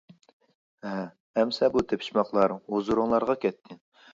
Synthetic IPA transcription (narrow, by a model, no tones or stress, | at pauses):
ɦɛ | ɛmsɛbut̪ʰepʰi̥ʃmɑqlˠɑɾozuɾʊŋlˠɑɾʁɑkʲɛt̪ʰːɪ